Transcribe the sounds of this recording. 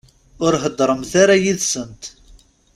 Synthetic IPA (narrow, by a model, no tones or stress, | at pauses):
ʊɾɦəd̪ːɾˤəmθaɾajiðsənt̪